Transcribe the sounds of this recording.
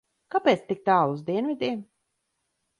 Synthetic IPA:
kapɛːt̪st̪ik̚t̪aːuzd̪iɛnvʲid̪ʲiɛm

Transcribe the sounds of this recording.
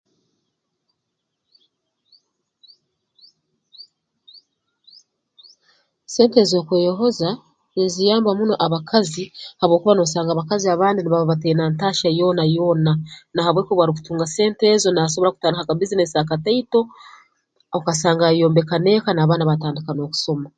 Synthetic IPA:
se̞ːnte̞zo̞kweːjo̞ɦoza | inzijaːmbamuno̞ʔaβakʰazihaβwo̞ːkuβanosaːŋɡaβakaziaβaːndiniβaβoβatejnantaːʃajo̞ːnajo̞ːnanahaβwe̞ːkoβwaɾiku̥tuːŋɡase̞ːnte̞zo̞naas̬o̞β̞ɾakutaːnihakaβizinesaːkateito̞ | okasaːŋɡajo̞ːmbe̞kane̞kanaːβaːnaβataːndikano̞ːku̥so̞ma

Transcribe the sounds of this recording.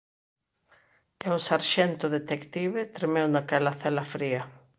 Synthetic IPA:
ewsaɾʃɛnt̪ʊðet̪ekt̪iβet̪ɾemɛwnakɛlaθɛlafɾiɐ

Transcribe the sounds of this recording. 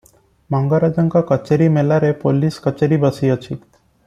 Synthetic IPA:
maŋɡaɾad͡ʒəŋkakət͡ɕeɾimelaɾepoliːskət͡ʃeɾibəsiːət͡ɕʰiː

